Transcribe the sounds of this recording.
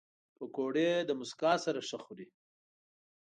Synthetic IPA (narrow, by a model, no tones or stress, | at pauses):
pəkoɽed̪əmʊskɑsaɾaʂəxuɾi